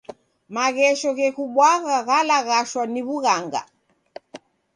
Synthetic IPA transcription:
maɣɛʃɔɣɛkuɓwaɣaɣalaɣaʃwaniβuɣaŋɡa̰

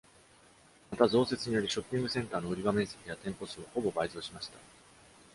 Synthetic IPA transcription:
mat̪azo̞ːse̞t͡sɨɲ̟ijo̞ɾʲiɕo̞pʲːĩŋɡɯ̟sẽ̞nt̪aːno̞ɯ̟ɾʲiɡamẽ̞ɰ̃se̞kʲijat̪ẽ̞mpo̞sɨːoho̞bo̞baizoːɕimaɕi̥t̪ḁ

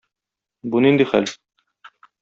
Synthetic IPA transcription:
bunind̪iχæl

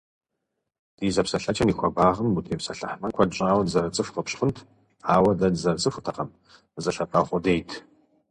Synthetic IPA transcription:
d̥iːzɐpsɐɬɐt͡ʃʼɐniːxʷɔbaːʁɐmutʰeːpsɐɬɐ̰ħmɐnkʷʰɔdɕʷʼaːwɐdzɐrɨt͡sʼɨfqəpɕχʊntʰ | aːwɐdɐdzɐrt͡sʼɨfʷʊtʰɐqɐm | zɐɬɐpʰʼɐχʷɔdeːjtʰ

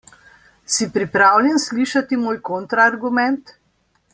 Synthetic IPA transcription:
sipɾipɾaːwlʲjɛnsliːʃat̪imoːjkont̪ɾaːɾɡumɛnt̪

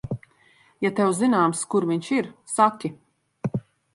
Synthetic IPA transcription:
jat̪ɛwzinaːmskuɾviɲt͡ʃiɾsakʲi

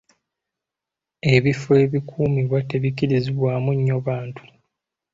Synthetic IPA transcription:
e̞βifue̞ːβikʰuːmiβwate̞βikiɾiziβwaːmuɲːoβaːntʰu̥

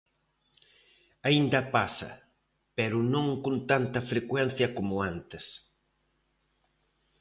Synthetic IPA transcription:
aind̪ɐpasɐ̰ | pɛɾʊnõŋkõnt̪ant̪ɐfɾekwɛn̟θjɐkomʊant̪es

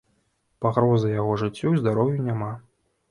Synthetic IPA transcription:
paɣɾɔzɨjaɣɔʐɨt͡sʲːuwzd̪aɾɔwjunʲama

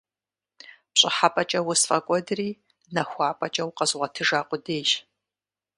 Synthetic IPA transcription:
pɕʼɪħapʼɐt͡ʃʼɐwʊsfʼɐkʷʼɔdɨriː | nɐxʷaːpʼɐt͡ʃʼɐwqɐzʁʷɐtʰɨʒaːqʷʼʊdeːʒ

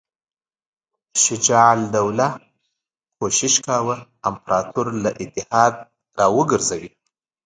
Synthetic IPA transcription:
ʃɪd͡ʒɑʕld̪awla | kʰoʃɪʃkawə | ampɾʔɑt̪ʰuɾlaʔɪt̪ɪhɑd̪̚ | ɾɑwəɡəɾzawi

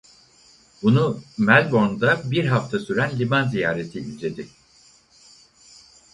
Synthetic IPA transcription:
bunumælʲbo̞nd̪abiɾɦaft̪ʰasyɾænlʲibanzijaːɾe̞t̪ʰiilʲd͡ʒe̞d̪ɪ

